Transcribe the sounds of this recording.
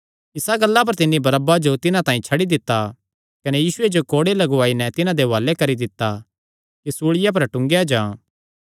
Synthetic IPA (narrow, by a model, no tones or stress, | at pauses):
ɪsaɡɐlːap̬ɐɾt̪ɪnːibɐɾɐbad͡ʒot̪ɪnãt̪ãːĩt͡ʃʰɐɽid̪ɪt̪ːa | kɐnejiːsʊed͡ʒokoːɽelɐɡʊaːinɛt̪ɪnãd̪eʋaːlekɐɾid̪ɪt̪ːa | kisuːɭɪjap̬ɐɾʈʊ̃ŋɡjad͡ʒãː